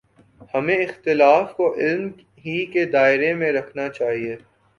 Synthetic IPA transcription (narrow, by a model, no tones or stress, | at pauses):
hɐmẽɪxt̪ɪlaːfkoʔɪlm | ɦiked̪aːɪɾemẽɾɐkʰnat͡ʃaːɦieː